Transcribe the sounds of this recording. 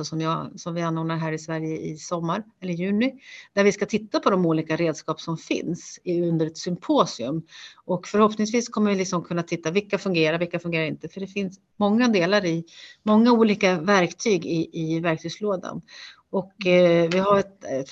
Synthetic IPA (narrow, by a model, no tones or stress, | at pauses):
ɔsɔmjɑsɔmvɪanːoːnaɾɦæːɾɪsvæɾjəɪ̰sɔmːaɾɛlːəɾjʉ̟ːnɪd̪̥æɾvɪskat̪ʰɪt̪ːapʰɔd̪ɔmuːliːkaɾeːd̪skɑːpsɔmfɪ̰nsɵnd̪əɾɛt̪sʏmpʰoːsɪɵ̰mːɔkfœɾhɔpnɪŋsviːskʰɔmːəɾvɪlɪksɔmkʰɵnːat̪ʰɪt̪ːapvɪlkːafɵŋɡeːɾaɾvɪlkːafɵnŋɡeːɾaɾɪnt̪əfœɖɛfɪns | mɔŋːad̪eːlaɾɪmɔŋːauːliːkavæɾkt̪ʰyːɡɪʔɪvæɾkt̪ʰyːɡsloːd̪a̰n | ɔkvɪɦaɾɛt̪ɛ